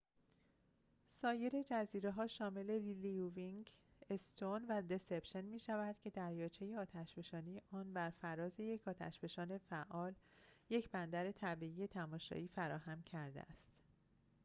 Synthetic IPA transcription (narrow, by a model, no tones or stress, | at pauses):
sɒːje̞ɾe̞d͡ʒæziːɾeɦɒːʃɒːme̞le̞liliuviŋɡest̪ʰonvæd̪e̞sepʃe̞nmiːʃævæd̪̥cʰe̞d̪æɾjɒːt͡ʃʰejeɒːt̪ʰæʃb̥e̞ʃɒːnijeʔɒːnbæɾfæɾɒːze̞je̞cʰɒːt̪ʰæ̰ʃbe̞ʃɒːne̞fæʔɒːl | je̞cʰbænd̪æɾe̞t̪ʰæbiːije̞t̪ʰæmɒːʃɒ̰ʔiːfæɾɒːhæmcʰæɾd̪ḛæ̰st̪